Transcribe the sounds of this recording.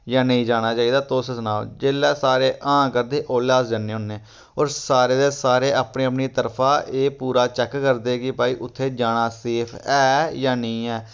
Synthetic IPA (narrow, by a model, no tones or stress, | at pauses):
jãːnəĩːd͡ʒaːɽ̃aːt͡ʃaːiːd̪aːt̪oːsəsnaːd͡ʒeːlːɛːsaːɾeːʔãːkəɾd̪eːʔoːlaːsd͡ʒənːeːɦʊnːeː | oːɾsaːɾeːd̪eːsaːɾeːʔaːpneːəpniːt̪əɾpʰaːʔeːpuːɾaːt͡ʃɛkkəɾd̪eːkɪpaːiːʔʊt̪ʰːeːd͡ʒaːɽaːseːpʰɛːjãːnəĩːɛː